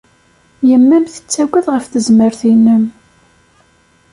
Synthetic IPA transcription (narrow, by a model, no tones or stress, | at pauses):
jəmːæmθə̥t͡sːæɡæðʁəfθəzməɾθinːəm